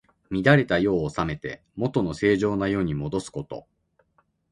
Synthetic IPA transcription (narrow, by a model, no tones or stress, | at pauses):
mʲid̪aɾe̞t̪ajo̞ːsame̞t̪e̞̰ | mo̞t̪o̞no̞se̞ːʑo̞ːnajo̞ːɲ̟imo̞d̪o̞sɨ̥ko̞t̪o̞̰